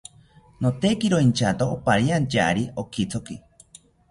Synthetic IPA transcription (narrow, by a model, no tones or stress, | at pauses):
not̪ekiɾoint͡ʃat̪oːpaɾiant͡ʃaʔɾiokit͡sʰoki